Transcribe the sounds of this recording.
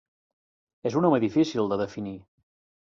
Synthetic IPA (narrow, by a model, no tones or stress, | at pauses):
ezunɔməðifisilˠd̪əðəfini